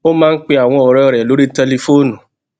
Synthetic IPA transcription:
o˦mãː˦˧n̩˦k͡pe˧a˨w̃ɔ̃˧ɔ˨ɾɔ˧˨ɾɛ˨lo˨˦ɾi˦tɛ˧le˧fo˦nũ˨

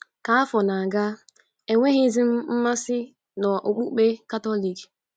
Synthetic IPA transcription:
ka˨a˦fɔ˨na˨ɡa˦ | e˨ŋʷe˦ɦɪ˦zi˦m̩˦m̩˦ma˦sɪ˦ | nɔ˨ʔo˨k͡pu˦k͡pe˦ka˦tɔ˦li˨k

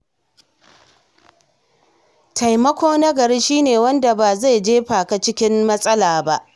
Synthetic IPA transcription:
tʰa˨jmɐ˦kʷoː˦na˦ɡɐ˨ɾɪ˦nʃiː˦neː˨wɐ˦nda˨baː˨za˦˨jd͡ʒeː˦ɸaː˨ka˦t͡ʃɪ˦kʲɪ˦mmɐ˦sʼɐ˦laː˨ba˦ʔ

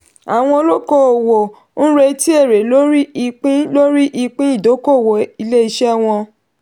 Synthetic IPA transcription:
a˨w̃ɔ̃˧o˧lo˦ko˦˨o˨wo˨˦ | nũ˦ɾe˧ti˦e˦˨ɾe˨˦lo˦ɾi˦i˧k͡pĩ˦lo˦ɾi˦ʔi˧k͡pĩ˦i˦˨do˨˦ko˦˨wo˨i˧le˦i˧ʃɛ˦˨w̃ɔ̃˧

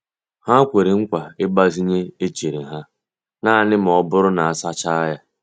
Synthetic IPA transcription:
ha˦kʷe˨ɾi˨ŋ̩˦kʷa˨ɪ˦ba˦zi˦ɲe˦e˦t͡ʃe˨ɾi˨ɦa˦ | na˦˨nɪ˦m̩˨ɔ˦bʊ˦ɾʊ˦na˨a˨sa˦t͡ʃa˦ja˦

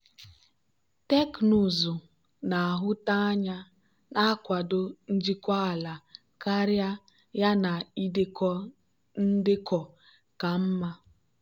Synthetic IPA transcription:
te˦knu˨zʊ˨ | na˨a˨ɦʊ˦ta˦a˦ɲa˦ | na˦kʷa˨dʊ˦n̩˦d͡ʒi˦kʷa˦a˨la˨ | ka˦ɾja˦ | ja˦na˨i˦dɪ˦kɔ˦ | n̩˦dɪ˦kɔ˨ | ka˨m̩˦ma˦

